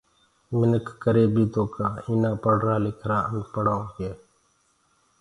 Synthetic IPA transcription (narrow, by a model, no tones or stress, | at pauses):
mɪnəkːəɾeːbiːt̪oːkaːiːnãːpəɽ̤ɾaːlɪkʰɾaːəŋɡpəɽãːkeː